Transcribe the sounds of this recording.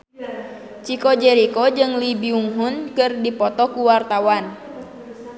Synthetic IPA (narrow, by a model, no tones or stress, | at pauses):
t͡ʃikɔd͡ʒɛɾikɔd͡ʒɨŋlibiuŋɦunkɨrdipɔt̪ɔkuwart̪awan